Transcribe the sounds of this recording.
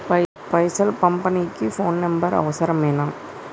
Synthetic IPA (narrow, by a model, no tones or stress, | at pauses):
pɐjsɐlkɐmpɐnikːɯfoːnːɐmbɐɾɐ̰ʋɐsɐɾɐmeːnaːm